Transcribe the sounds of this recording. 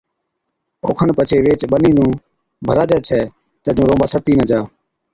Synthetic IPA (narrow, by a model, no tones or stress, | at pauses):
o̰ːkʰənpət͡ʃʰeːʋeːt͡ʃɓəniːnũː | bʱəɾaːd͡ʒɛːt͡ʃʰɛː | t̪əːd͡ʒõːɾõːmbaːsəɾt̪iːnəd͡ʒaː